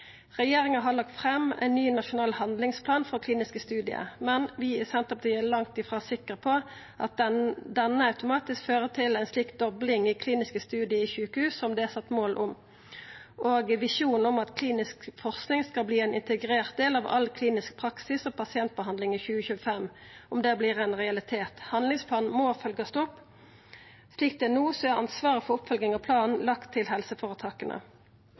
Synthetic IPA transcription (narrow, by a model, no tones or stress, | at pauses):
ʁɛjeːʁɪŋəɦɑlɑk̚t̪fʁɛmːæ̰ɪnːyːnɑʃʊnɑːlhɑnd̪lɪŋspʰlɑːnfɔʁkʰliːnɪskəst̪ʉːd̪ɪə̰mɛnʋɪæsɛnt̪ɔp̚d̪ɛɛlɑŋt̪ɪfʁɑːsɪkːəʁpʰo | ʔɑt̪̚d̪ɛnːəɑʉt̪ʊmɑːt̪ɪskføːʁət̪ʰɪlæɪnsliːk̪̚d̪ɔblɪŋɪkʰliːnɪskəst̪ʉːd̪ɪəiçʉːkəhʉːsːɔmd̪ɛæsɑt̪ːmoːlʔʊm | ʔoːɡʋɪʃuːnɔmɑt̪kʰliːnɪskfɔʁsknɪŋskɑlbliːɛɪnɪnt̪ɛɡʁeːʁt̪̚d̪eːlɑːʋɑ̰lkʰliːnɪsk̚pʰʁɑksɪsɔːpʰɑsɪɛnt̪̚bəɦɑnd̪lɪŋiçʉːəçʉːəfɛmʊmd̪ɛːbliːʁɛnʁɛɑlɪt̪ʰeːt̪hɑnd̪lɪŋspʰlɑːn̩moːfœlɡɑst̪ɔpː | sliːk̚t̪ɛnuːsɔæʁɑ̰nsʋɑːʁəfɔʁʊpfœlɡɪŋɑpʰlɑːn̩lɑkt̪ʰːɪlɦɛlsəfoːʁət̪ʰɑːkənʔə̰